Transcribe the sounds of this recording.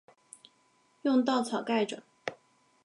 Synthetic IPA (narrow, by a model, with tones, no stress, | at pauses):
jʊ˥˧ŋt̪ɑ˥˩ʊt͡sʰɑ˨˩ʊka˥˩ɪʈ͡ʂə̰˨˩˦